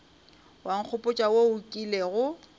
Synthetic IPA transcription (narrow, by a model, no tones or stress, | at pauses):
waŋ̩k͡xʰʊpʼʊt͡ʃʼawoʊkʼileɣʊ